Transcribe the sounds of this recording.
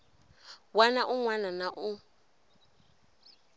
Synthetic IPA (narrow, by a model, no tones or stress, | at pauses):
wanaʔuŋwananaʔu